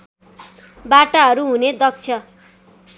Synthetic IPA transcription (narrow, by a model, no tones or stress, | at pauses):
baʈaɦʌɾuɦuned̪ʌk̚t͡sʰʌ